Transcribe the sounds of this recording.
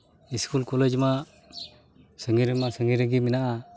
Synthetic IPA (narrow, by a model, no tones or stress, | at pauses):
iskulkoled͡ʒma | səŋiɾəmasəŋiɾəɡiminaʔa